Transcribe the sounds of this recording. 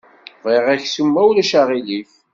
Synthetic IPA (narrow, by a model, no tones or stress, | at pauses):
veʁæçsumːæwlæʃaʁilif